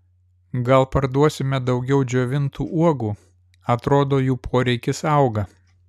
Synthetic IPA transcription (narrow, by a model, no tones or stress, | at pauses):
ɡɐlˠpɐɾd̪uɔsʲɪmʲɛd̪ɒʊɡʲɛʊd͡ʒʲoːʋʲɪnt̪uːʔuɔɡuː | ɐt̪ɾoːd̪oːjuːpʰoːɾʲɛɪkʲɪsɐʊɡɐ